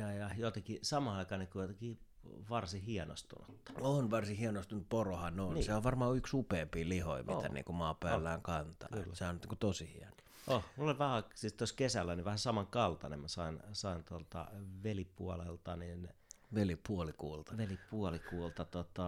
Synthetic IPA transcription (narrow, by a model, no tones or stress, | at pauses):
jɑjɑjot̪ekisɑmɑɑikɑːnikujot̪eki | ʋɑrsihiɛno̰st̪ṵnṵt̪ːɑ̥onʋɑrsihiɛnost̪unut̪porohɑnonːseoʋʋɑrmɑːyksupeːmpiːliho̰imḭt̪æ̰nḭːŋkumɑːpæːlːæːŋkɑnt̪ɑ̰lːsehɑnt̪ːiːkut̪osihḭɛno̥ | ʔohmulːolʋæhæsist̪oskesælːæniʋæhæsɑmɑŋkɑlt̪ɑnḛmmæsɑinsɑint̪uolt̪ɑ̰ʋelipuolelt̪ɑnin | ʋelipuolikuːlt̪ɑʋelipuolikuːlt̪ɑt̪ot̪ɑ